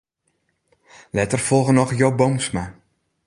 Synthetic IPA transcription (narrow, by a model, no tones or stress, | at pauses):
lɛtərfɔlˠɣənɔxjowbomsma